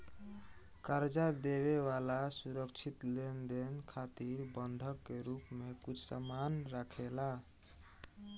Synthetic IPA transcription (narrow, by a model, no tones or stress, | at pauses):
kəɾd͡ʒad̪eβewalasuɾəkt͡ʃʰit̪lend̪enkʰat̪iɾbənd̪ʱəkːeɾupmekut͡ʃʰsamanɾakʰela